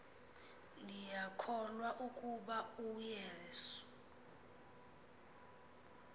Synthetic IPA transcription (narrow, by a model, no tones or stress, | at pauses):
lijakʰɔlwaʔukʼuɓaujeːsu̥